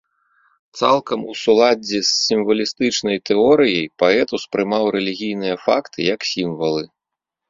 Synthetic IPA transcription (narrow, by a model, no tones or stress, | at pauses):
t̪salˠkɐmusulˠad͡zʲɛsːimvɐlʲist̪ɨt͡ʂnɐjt̪ɛɔɾɨjɐjpaɛt̪uspɾɨmawɾɛlʲiɣʲijnɨjɐfakt̪ʰɨjɐksʲimvɐlˠɨ